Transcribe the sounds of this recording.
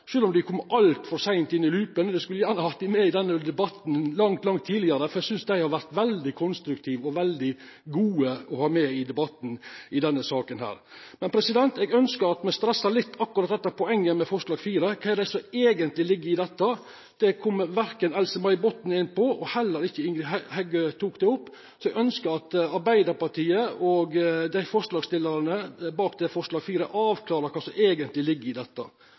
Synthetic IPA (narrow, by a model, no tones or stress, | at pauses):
ʂøːlɔmd̪ɪkʰɔmːʔɑlt̪fɔɾsæɪnt̪ɪnːɪlʉːpənd̪ɛskʉlːəjæːɾɳəɑhɑt̪ɪmɛɪd̪ɛnːəd̪ɛbɑt̪nlɑŋt̪lɑŋt̪ʰːiːlɪəɾəfɔɾɛɡsʏnsd̪æɪhɑɾʋæɾt̪ʋɛld̪ɪkʰɔnst̪ɾʉkt̪ʰiːʋɔʋɛld̪ɪ | ɡuːəɔhɑːmɛɪd̪ɛbɑt̪n̩ɪd̪ɛnːəsɑːkənhæ̰ːɾ | mɛnpʰɾɛsɪd̪ɛnt̪ɛːɡœnskəɾɑt̪mɛst̪ɾɛsːɑlɪt̪ːɑkːʉɾɑt̪̚d̪ɛt̪ːɑpʰɔɛŋːəmɛfɔɾʂlɑːɡfiːɾəkʰɑːɛɾd̪æɪsɔeːɡənt̪lɪlɪɡːəɾɪd̪ɛt̪ːə | d̪̥ɛkʰɔmːʋæɾkənɛlsəmɑɪbɔt̪ːn̩ɪnpɔɔhɛlːəɾɪçːəɪŋɡhɛɡøt̪ʰuːkd̪ɛʊpː | sɔɛɡœnskəɾɑt̪ɑɾbæɪd̪əɾpɑɾʈiːəʔɔɡd̪æɪfɔɾʂlɑːɡst̪ɪlːəɾənəbɑːkd̪ɛfɔɾʂlɑːɡfiːɾəʔɑːʋkʰlɑːɾəkʰɑːsɔmeːɡənt̪lɪlɪɡːəɾɪd̪ɛt̪ːə̰